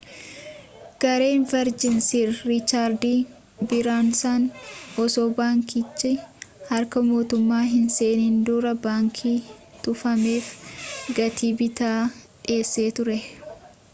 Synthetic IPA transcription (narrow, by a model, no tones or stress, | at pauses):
ɡ̥ɐɾe̞ːnfɐɾd͡ʒɪnsiːɾːɪt͡ʃːaːɾd̪iː | bɪɾaːnsaːnɔsoːbaːŋkit͡ʃːɪhɐɾkɐmo̞ːt̪ʊmːaːɦɪnseːniːnd̪uːɾɐbaːŋkʰiːt̪ʊfɐme̞ːfɡɐt̪iːbɪt̪aːᶑɪe̞ːsːe̞ːt̪ʊɾɛ